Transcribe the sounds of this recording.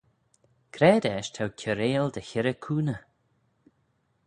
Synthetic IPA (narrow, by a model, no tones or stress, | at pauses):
kʰɾɛːd̪ɛːʃt̪ʰawkʲʰəɾeːld̪əçɪɾəkʰuːnə